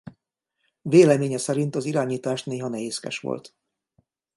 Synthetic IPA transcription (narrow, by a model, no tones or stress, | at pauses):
veːlɛmeːɲɛsɛɾint̪ɒziɾaːɲiːt̪aːʃneːɦɒnɛɦeːskɛ̰ʃʋo̰lt̪